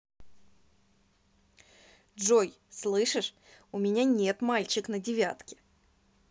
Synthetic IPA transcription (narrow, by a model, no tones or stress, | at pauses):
dʐoj | slˠɨʂɨʂ | ʊmʲɪnʲanʲe̞t̪malʲt͡ɕɪknədʲɪvʲat̪kʲɪ̥